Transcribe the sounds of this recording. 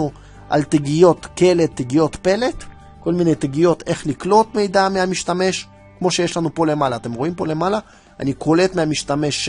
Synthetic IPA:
u | ʔa̰lt̪eɡijo̞t̪kele̞t̪ːeɡijo̞t̪pe̞le̞t̪ | ko̞lmine̞jt̪eɡijo̞t̪e̞χliklo̞t̪me̞jd̪ameamiʃt̪ame̞ʃ | kmo̞ʃe̞jeʃlanupo̞le̞malaːt̪e̞mʁoimpo̞le̞mala | a̰nikʰo̞le̞t̪meamiʃt̪ame̞ʃ

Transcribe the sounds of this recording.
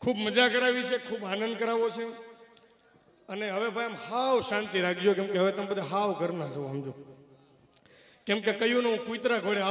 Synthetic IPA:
kʰubməd͡ʒakəɾaʋit͡ʃʰekʰuːbanənd̪̚kəɾaʋot͡ʃʰe | əneɦəʋebʱajamhaʋʃant̪iɾaɡd͡ʒjokɛ̃mkeɦəʋet̪əmpət̪ʰeɦaʋkəɾnat͡ʃʰoamd͡ʒo | kɛmkekəjũneɦũkuit̪ɾaɡʱəɽea

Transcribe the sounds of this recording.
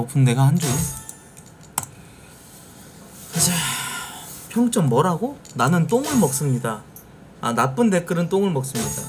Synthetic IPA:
opʰɯnne̞ɡahand͡ʑoe | ad͡ʑa | pʰjʌŋt͡ɕ͈ʌmːʌɾaɡonanɯnt͈oŋɯɭmʌk̚s͈ɯmɲida | anap͈ɯnde̞k͈ɯɾɯnt͈oŋɯɭmʌk̚s͈ɯmɲida̰

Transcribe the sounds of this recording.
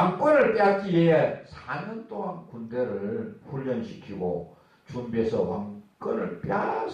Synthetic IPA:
aŋk͈ʌnɯɭpjakieesʰaɲʌnt͈oɦankundeɾɯɭɸuʎːʌnɕʰi̥kʰiɡo̰ | t͡ɕumbiesʰʌwaŋk͈ɯnɯɭpja

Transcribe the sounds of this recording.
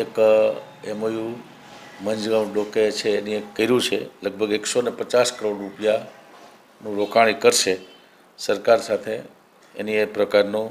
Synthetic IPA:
ekə | emojũ | məɲd͡ʒɡamɖoket͡ʃʰeːniekːəiɾũt͡ʃʰḛləɡ̚bʱəɡeksonepət͡ʃaskəɾoɽɾupja | nũɾokʰaɭ̃ikəɾʃe | səɾkaɾsat̪ʰḛː | niepɾəkaɾnũ

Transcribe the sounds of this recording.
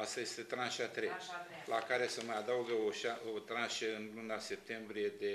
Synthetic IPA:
ast̪ajest̪e̞t̪ɾanʃat̪ɾet͡ʃ | lakaɾe̞səməad̪awɡəoʃaot̪ɾanʃeɨnlunase̞p̚t̪e̞mbɾije̞d̪e̞

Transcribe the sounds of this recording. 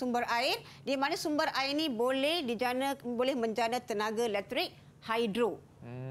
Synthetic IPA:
sumbəɾaɪr | dimanasumbəraɪrnibolɛhdid͡ʒanbolɛhmə̃ɲd͡ʒanat̪ənãɡalɛk̚t̪ɾɪk̚ | hajdɾo

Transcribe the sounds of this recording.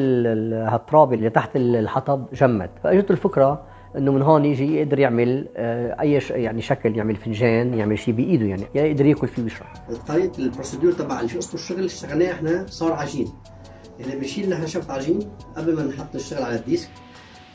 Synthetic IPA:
hat̪ˤːɾˤɑːbiʔlːit̪aħt̪ɪllħɑt̪ˤɑbʒamːa̰t̪faʔaʒɪdt̪ʊlfɪkɾˤɑ | ʔɪnːomɪnɦoːnjɪʒijɪʔd̪ɑɾjɪʕmɪlʔajːaʃjaʕniʃakljɪʕmɪlfɪnʒeːnjɪʕmɪlʃiːbɪjʔiːd̪ujaʕnijɪʔd̪ɑɾˤjaːkʊlfiwɪʃɾˤɑ̰ħt̪ˤːɑɾiːʔlpɾosed̪yːɾt̪ˤɑbaʕaliʃʔʊsˤmʊʃːʊɣlʃt̪aɣalneːʔɪħnasˤɑːɾˤʕaʒiːn | ahnebɪʃiːnːɪħnaʃaft̪ʕaʒiːnʔablmannħɑt̪ˤːnɪʃt̪ɪɣɪlʕalad̪ːiːsk̚

